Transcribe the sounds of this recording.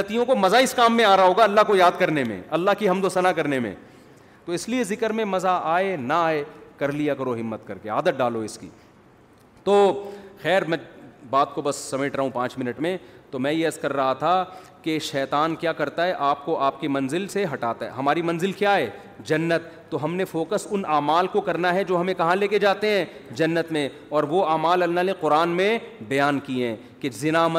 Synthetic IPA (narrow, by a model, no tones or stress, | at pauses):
ɐt̪ijõkomɐzaɪskaːmːẽaːɾaɦoːɡaɐlːaɦkojaːd̪̚kɐɾnemḛ̃ɐlːaɦkiɦɐmd̪osɐnakɐɾnemḛ̃ | t̪oɪsliezɪkəɾmẽmɐzaaːenaaːekɐɾlijakɐɾoɦɪmːət̪kɐɾkeaːd̪ət̪̚ɖaːloɪskḭː | t̪oːxɛːɾmɛ̃ːbaːt̪kobɐsːɐmeːʈʰɾɐɦũpãːt͡ʃmɪnəʈmẽt̪omɛ̃ːjeɐskɐɾːɐɦat̪ʰakeʃɛːt̪aːnkjaːkɐɾt̪aɦɛʔaːp̚koʔaːp̚kemɐ̃nzɪlseɦɐʈaːt̪aɦɛ̰ɦɐmaːɾimɐnzɪlkjaːɦɛː | d͡ʒɐnːət̪ːoɦɐmnefoːkəsʊnaːmaːlkokɐɾnaɦɛd͡ʒoːɦɐmẽkɐɦãleːked͡ʒaːt̪eɦɛ̃ː | d͡ʒɐnːət̪mẽ | ɔːɾʋoaːmaːlɐlnaneqʊɾaːnmẽbɐjaːnkiẽː | kezɪnaːmə